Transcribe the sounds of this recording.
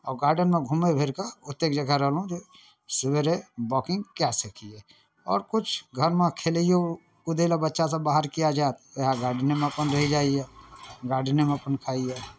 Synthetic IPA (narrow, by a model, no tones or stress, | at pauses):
ɔːɾɡaːɾɖənmẽɡʱʊmebʱɪɾkaʊt̪ːeːk̚d͡ʒəɡʱɛɾəɦlũt̪e | sʊbeɾebɔːkɪ̃ŋɡkjasikʰiɛ | ɔːɾkʊt͡ʃʰɡʱəɾmẽkʰeːlijo | kʊd̪elabətːʃasabaːɦəɾkijad͡ʒaːt̪əɦaɡaːɾɖnemẽɐpənɾɐɦid͡ʒaːiɛɡaːɾɖnemẽɐpənkʰaːiɛ